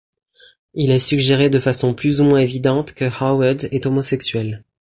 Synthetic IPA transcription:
ilɛsyɡʒeʁed̪əfasɔ̃plyzumwɛ̃evid̪ɑ̃t̪kəhawad̪ɛt̪omɔsɛksɥɛl

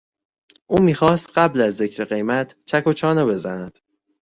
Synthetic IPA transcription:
ʔuːmiːxɒːst̪ɢæblæzːe̞cʰɾe̞ɣe̞jmæt̪ʰt͡ʃʰæko̞t͡ʃʰɒːnebe̞zænæd̪̥

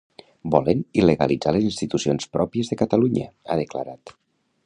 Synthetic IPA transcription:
bɔləniləɣəlid͡zalezinst̪it̪usionspɾɔpiəzðəkət̪əluɲə̰aðəkla̰ɾat̪

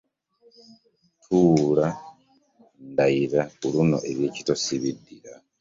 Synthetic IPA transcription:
tʰuːla | ndaiɾauluno̞̰ʔeβje̞ːci̥tosiβidiɾa

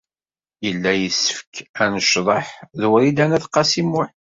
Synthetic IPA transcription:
jəlːæjəsə̥fə̥kænəʃðˤəħðuɾid̪ænæθqɑsimʊħ

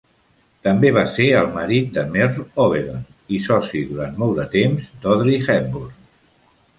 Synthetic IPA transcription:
t̪əmbeβ̞aseəlˠməɾit̪̚d̪əmɛrɔβeɾən | isɔsiðuɾant̪mɔlˠd̪ət̪emzd̪ɔðɾixɛmbuɾ

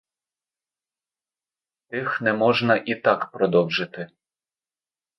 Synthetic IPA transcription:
t̪ɪxnɛmɔʒnɐʔit̪ɑkpɾɔd̪ɔwʒɪt̪ɪ

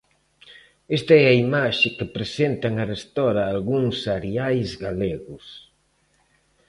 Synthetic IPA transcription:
est̪aɛaimaʃɪkɪpɾesent̪aŋarest̪ɔɾɐːlɣuŋsaɾiajzɣaleɣʊs

